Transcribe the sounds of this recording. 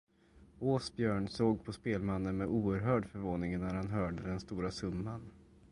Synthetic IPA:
oːsbjœːɳsoːɡ̚pʰɔspeːlmanːənmɛʔuːəɾɦœːɖfœɾvoːnɪŋnːæɾhanɦœːɖəd̪ɛnst̪uːɾasɵmːan

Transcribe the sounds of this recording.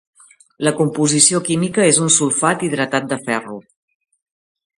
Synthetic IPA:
ləkumpuzisiokimikəezunsulˠfat̪ið̞ɾət̪at̪̚d̪əfɛru

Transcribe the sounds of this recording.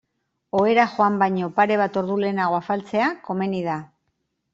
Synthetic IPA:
o̞e̞ɾaxoambajɲo̞paɾe̞β̞at̪o̞ɾðule̞ːnaɣo̞afalt͡se̞ako̞me̞niða

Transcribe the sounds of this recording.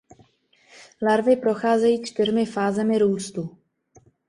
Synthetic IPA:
laɾvɪpɾo̞xaːzɛjiːt͡ʃt̪ɪrmɪfaːzɛmɪɾuːst̪u

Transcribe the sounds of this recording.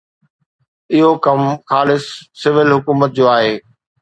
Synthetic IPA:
ɪɦokɐmxaːlɪsːɪʋɪlɦʊkuːmət̪̚d͡ʑoːaːɦeː

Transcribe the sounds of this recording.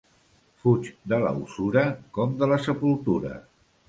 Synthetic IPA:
fut͡ʃd̪ələ̰ṵsuɾəkɔmd̪ələsəpulˠt̪uɾə̰

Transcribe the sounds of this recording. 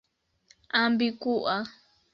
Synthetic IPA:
ambikuʔa

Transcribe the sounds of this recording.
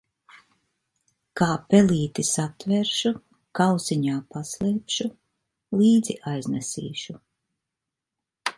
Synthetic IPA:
kaːpɛliːt̪isat̪vɛɾʃu | kawsiɲaːpaslɛːpʃu | liːd̪ziʔajznɛsḭːʃu

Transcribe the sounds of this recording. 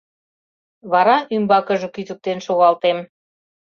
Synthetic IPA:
βɑɾɑʔymbɑkə̆ʒŏkyt̪ək̚t̪enʃoɣɑlt̪em

